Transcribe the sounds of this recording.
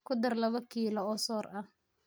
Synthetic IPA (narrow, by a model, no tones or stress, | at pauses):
kʰʊd̪ɐrlɐβɐkʰiːlɔɔːsɔːrɐh